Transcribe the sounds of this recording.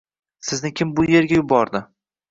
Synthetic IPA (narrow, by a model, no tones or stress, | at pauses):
sɪznɪkʲʰɪmbʊje̞ɾɡʲajʊbɒɾd̪ɪ